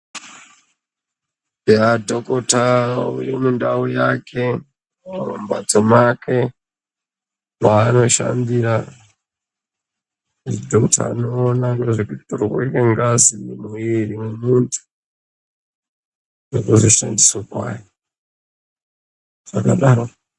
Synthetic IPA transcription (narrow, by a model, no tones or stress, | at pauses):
jadʱokotaṵrimundaujakʰe̞ | umba̰t͡somakʰe̞ | waːno̞ʃa̰mbiɾa | idʱoktʰa̰ːnoːnaŋɡeʐekuti̥torekeŋɡazinimuiɾimemuntʰu̥ | jekuziʃa̰ndiswakwa̰je | ʐ̥akaɗaːɾo